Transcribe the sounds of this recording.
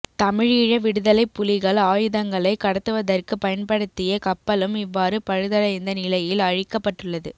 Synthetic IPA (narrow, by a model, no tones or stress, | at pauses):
t̪ɐmɪɻiːɻɐʋɪɽɯðɐlɐɪpːʊlɪɣɐɭaːjɯðɐŋɡɐɭɐɪkːɐɽɐt̪ːɯʋɐðɐrkɯpɐjɐnpɐɽɯt̪ːɪjɐkɐpːɐlɯmɪʋːaːɾɯpɐɻɯðɐɭɐɪnd̪ɐnɪlɐjɪlɐɻɪkːɐpːɐʈːrɯɭːɐðɯ